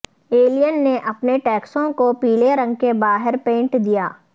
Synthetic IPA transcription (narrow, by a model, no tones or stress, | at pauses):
eːlijənːeʔɐpneʈɛːksõkopiːleɾɐ̃ŋɡ̚kebaːɦɪɾpẽːɳʈd̪ijaː